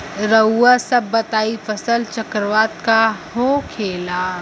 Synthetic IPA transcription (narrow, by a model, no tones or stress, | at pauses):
ɾəuasɐbːɐt̪aːifʰɐsəlt͡ʃəkɾʋaːt̪kahoːkʰeːlaː